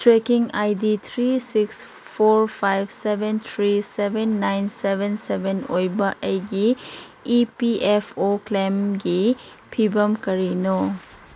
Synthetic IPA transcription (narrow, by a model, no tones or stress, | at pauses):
tɾekiŋajdit̪ʰɾisiks | pʰoɾpʰajbsebʱent̪ʰɾisebʱenːajnsebʱensebʱenojbɐʔejɡiː | piepʰoklemɡi | pʰibɐmkɐɾino